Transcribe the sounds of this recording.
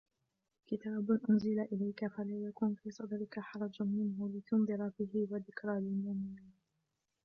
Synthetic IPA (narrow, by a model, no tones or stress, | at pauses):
kɪt̪aːbʊʔʊnzɪlaʔɪlajkafalaːjakuːnfiːsˤɑd̪ɾɪkaħɑɾˤɑd͡ʒmɪnɦʊlɪθʊnd̪ˤɨɾabɪhɪwad̪ɪkɾɑːlɪljamiːn